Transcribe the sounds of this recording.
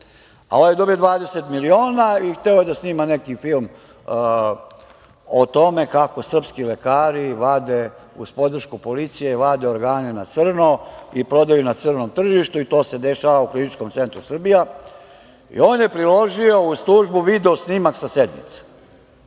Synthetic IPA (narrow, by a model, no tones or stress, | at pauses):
a̰ojed̪o̞bijo̞d̪ʋaːd̪eset̪milio̞ːnaixt̪e̞ojed̪asniːmanekifilˠm | ot̪o̞me̞kako̞sr̩pskilekaːɾiʋad̪e | uspo̞d̪r̩ʃkupo̞lit̪sije̞iʋad̪e̞oɾɡaːnenat̪sr̩noipɾo̞d̪ajunat̪sər̩nomt̪r̩ʒiʃt̪uit̪o̞ːse̞d̪e̞ʃaʋauklinit͡ʃkomt̪se̞nt̪ɾusr̩bija | ḭoːnje̞pɾilo̞ʒio̞uslˠuːʒbuʋid̪eosnimaksased̪nḭt̪se̥